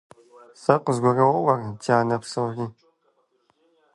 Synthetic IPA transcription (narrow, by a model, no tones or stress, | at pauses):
sɐqʷəzɡʷɔrɐwɔwɐrtʰaːnɐpsɐwriː